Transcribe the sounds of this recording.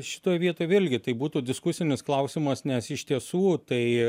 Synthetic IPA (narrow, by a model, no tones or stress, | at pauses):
ʃʲɪ̥t̪oːjʋʲiɛt̪oːjɪlʲɡʲɪt̪ɐɪbuːt̪uːd̪ʲɪskʊsʲɪnʲɪsklˠɐʊsʲɪmɐsnʲɛsɪʃt̪ʲiɛsuːt̪ɐɪ